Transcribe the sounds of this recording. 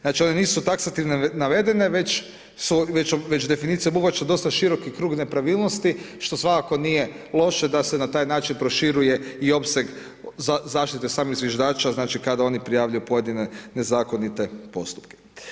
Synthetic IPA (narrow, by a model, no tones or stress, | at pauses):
znaːt͡ʃione̞niːsut̪aksat̪iʋnenaʋe̞d̪e̞ne̞ʋe̞t͡ʃ | suʋe̞t͡ʃʋe̞t͡ʃd̪e̞finiːt̪sijebuʋat͡ʃad̪o̞st̪aʃiɾo̞kikɾuːɡne̞pɾaʋiːlˠnost̪i | ʃt̪o̞sʋakako̞nije | lˠo̞ʃe̞d̪asenat̪aːjnaːt͡ʃinpɾo̞ʃiɾuje̞io̞pseɡ | zzaːʃt̪it̪esaːmiɣzʋjeʒd̪aːt͡ʃaznaːt͡ʃikad̪ao̞nipɾijaːʋʎujupo̞je̞d̪ine̞ne̞zaːko̞nit̪e̞po̞̰st̪u̥pke̥